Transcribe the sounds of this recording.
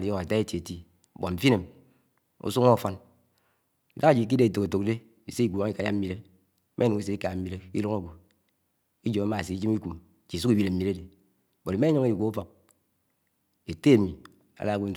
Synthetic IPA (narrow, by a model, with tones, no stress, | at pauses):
li˨jo˦a˨ta˦e˦ti˨e˨ti˦˨ | bo˨m̩˨fi˦ne˨m | o̰˦su˦ŋo˦˨fɔ˦n | i˨da˦a˨d͡ʒi˨k̬i˦de˦˨to˨ke˨to˨kde˦ | i˨se˦i˦ɡʷu˨wa˨˦ŋ˦i˦ka˨ja̰˦m̩˦i˦ɾe˦ | mʔe˦nu˨ŋi˦s̬e˦i˦ka˨m̩˦mi˦ɾe˦ki˦lo˦ŋo˨ɡo˨ | i˦d͡ʒo˨m˦ma˨si˨i˦d͡ʒi˦mi˦ku˨m˨ | t͡ʃi˨su˦ki˦bi˦le˨m̩˦mi˨ɾe˦de˨ | bo˨ɾi˨˦e˦o˦ŋe˦i˨ɡʷo˨˦u˦fo˨k̚ | e˨te˦˨mi˨ | a̰˨la˦ɡu˦n̩˦˨